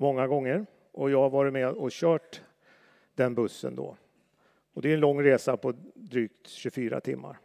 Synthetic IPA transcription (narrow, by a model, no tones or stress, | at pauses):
mɔŋːaɡɔŋːəɾ | ʔɔjɑːavɑːɾɪt̪mɛɔɕœːʈ | d̪ɛnbɵsːə̰nd̪ɔ̰ | ɔd̪ɛɛnlɔŋːɾeːsapʰɔd̪ɾyːk̚t̪ɕɵfyːɾa̰t̪ʰɪmːa̰ɾ